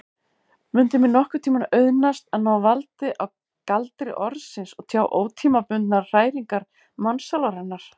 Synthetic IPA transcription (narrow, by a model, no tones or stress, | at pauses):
mʏnt̪ɪmɪnɔhkʏt̪ʰiːmanœɥðnast̪aðnaːwvalt̪ɪʔaw | kalt̪ɾɪ̰ʔɔɾsɪnsɔɣt̪ʰjaːwʔoːwt̪ʰiːmapʏnt̪naɾr̥aːjɾiŋkaɾ | mansalaɾhɛnːaɾ̥